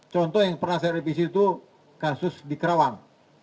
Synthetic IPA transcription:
t͡ʃɔnt̪ɔhjaŋpərnahsajaɾipis̬it̪u | kasʊsdikəɾawaŋ

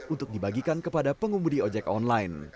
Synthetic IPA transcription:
unt̪ʊk̚dibaɡikankəpadapəŋumudiɔd͡ʒɛkɔnlain

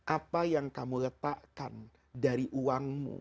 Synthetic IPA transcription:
ʔapajaŋkamulət̪aʔkan | daɾiʔuwaŋmṵ

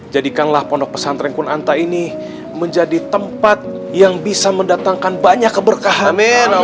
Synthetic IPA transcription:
d͡ʒadikanlahpɔndɔk̚pəsant̪ɾɛŋkunant̪aini | məɲd͡ʒadit̪əmpat̪̚ | jaŋbisaməndat̪aŋkanbaɲakːəbərkaɦami

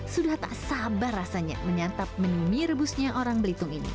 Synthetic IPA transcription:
sudaht̪a̰ʔsabarasaɲa̰məɲat̪ap̚mənuniɾəbusɲaʔoɾaŋbəlit̪ʊŋinḭ

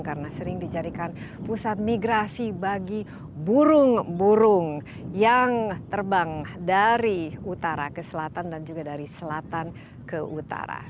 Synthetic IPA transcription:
ŋkaɾənasəɾɪŋdid͡ʒaɾikanpusat̪̚miɡɾasibaɡi | buɾʊŋbuɾʊŋ | jaŋt̪ərbaŋdaɾiut̪aɾa̰kəsəlat̪andand͡ʒuɡadaɾisəlat̪an | kəʔut̪a̰ɾa̰

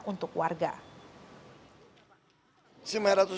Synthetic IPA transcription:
ʔunt̪ʊkwarɡa̰ | simɛɾat̪u

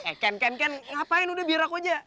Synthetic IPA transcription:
ɛkankankanŋapaɪnudahbiɾakod͡ʒa

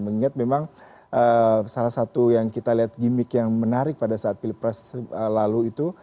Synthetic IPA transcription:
məŋiŋat̪̚memaŋ | ʔəsalahsat̪ujaŋkit̪aliɦat̪̚ɡimɪkjaŋmənaɾɪk̚padasaːt̪̚filipɾɛsəlaluit̪u

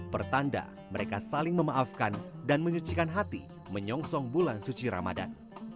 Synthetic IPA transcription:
pərt̪anda̰ | məɾekasalɪŋməmaʔafkandanməɲut͡ʃikanɦat̪ḭ | məɲɔŋsɔŋbulansut͡ʃiɾa̰ma̰da̰n

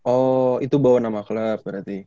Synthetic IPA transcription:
ʔɔit̪ubawanamakləp̚bəɾat̪i

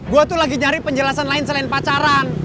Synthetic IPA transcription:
ɡuat̪ulaɡiɲaɾɪpəɲd͡ʒəlasanlaɪnsəlaɪnpat͡ʃaɾan

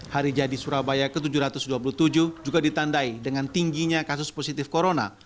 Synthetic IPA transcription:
haɾid͡ʒadisuɾabajakət̪̬ud͡ʒuɾat̪ʊsduapuluht̪ud͡ʒuhd͡ʒuɡadit̪andaidəŋant̪iŋɡiɲakasʊsposit̪ɪfkoɾona̰

